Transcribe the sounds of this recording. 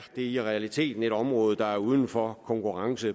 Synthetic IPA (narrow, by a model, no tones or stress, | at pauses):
d̥e̝iʁɛælit͡sʰe̝̰ːd̥n̩e̝ɾ̥ɒ̽mʁɔːð̞̩ˠd̥ɑ̈æɐuð̞ˠn̩fɒkʰɒ̽ŋkʰuʁɑ̈ŋsə